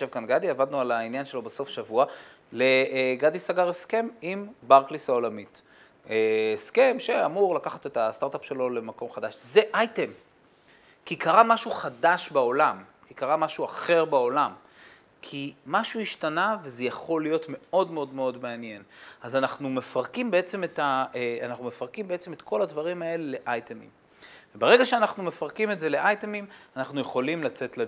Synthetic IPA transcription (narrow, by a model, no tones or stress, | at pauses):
ʃevkanɡadiavad̪nualainjanʃe̞lo̞beso̞fʃavua | le̞ɡadisaɡaʁeske̞mimbaʁklisao̞lamit | eske̞mʃeamuʁlakaχat̪e̞tast̪aʁt̪apʃe̞lo̞le̞mako̞mχadaʃze̞ʔajte̞m | kikaʁamaʃuχadaʃbao̞lam | kikaʁamaʃuaχe̞ʁbao̞lam | kʰimaʃuiʃtanaveze̞jaχo̞lːijo̞tme̞o̞dmeo̞dme̞o̞dmeanje̞nazanaχnume̞faʁkimbe̞et͡se̞metaeanaχnume̞faʁkimbe̞et͡se̞met̪kʰo̞ladvaʁimae̞lele̞ʔajtemḭm | vebeʁe̞ɡaʃeanaχnume̞faʁkimetze̞le̞ʔajtemimanaχnuje̞χo̞limlat͡se̞tle